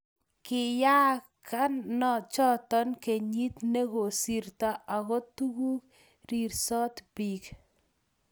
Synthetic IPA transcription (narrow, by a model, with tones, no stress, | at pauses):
kɪ˨ja˦ | kʰa˦nːɔ˨t͡ʃɔ˦tɔ˦nke˨ɲi˦tne˦ko˨si˦rta˨a˨kɔ˦tu˦ku˦k̚ | ɾi˨ɾsɔ˦tbi˨k